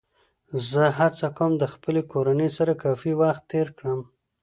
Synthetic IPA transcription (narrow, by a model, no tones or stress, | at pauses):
zəɦat͡sakowmd̪əxpəlekoɾanəsaɾakɑfiwaxt̪ːeɾkɽəm